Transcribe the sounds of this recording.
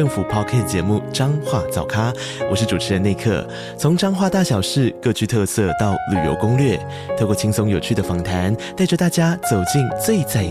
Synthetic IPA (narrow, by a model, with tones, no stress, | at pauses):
ɤ˥˩ŋfu˨˩pʰɑ˥˧kʰa˥˩t͡ɕjɛ˧˥mu˥˩ʈ͡ʂɑ˥ŋxwa˥˩t͡sɑ˨˩ʊkʰa˥ | wɔ˨˩ʂɻ̩˥˩ʈ͡ʂu˨˩ʈ͡ʂʰɻ̩˧˥ə˧ne˥˧ɪkʰɤ̰˥˩ | t͡sʰʊ˧˥ŋʈ͡ʂɑ˥ŋxwa˥˧t̪a˥˩ɕjɑ˨˩ʊʂɻ̩˥˧kɤ˥˧t͡ɕʰy˥˧t̪ʰɤ˥˧sɤ˥˧t̪ɑ˥˩ʊly˨˩jo̰˧˥ʊkʊ˥ŋlɥɛ˥˩ | t̪ʰo˥˩kwɔ˥˩t͡ɕʰi˥ŋsʊ˥ŋjo˨˩ʊt͡ɕʰy˥˩d̪ə˩fɑ˨˩ŋt̪ʰa˧˥nt̪a˥˩ɪʈ͡ʂɤ˥˧t̪a˥˩t͡ɕja˥t͡so˨˩ʊt͡ɕi˥˧ŋt͡swe˥˧ɪt͡sa˥˩